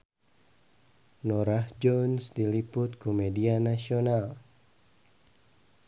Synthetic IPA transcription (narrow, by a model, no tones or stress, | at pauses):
nɔɾahd͡ʒɔnsdilipʊt̪̚kumedianasional